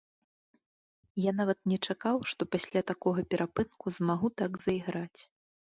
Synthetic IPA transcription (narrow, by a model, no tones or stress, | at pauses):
janavɐt̪̚nʲɛt͡ʂakawʂt̪ɔpasʲlʲat̪akɔɣɐpʲɛɾʔapɨnkuzmaɣut̪aɡzɐiɣɾat͡sʲ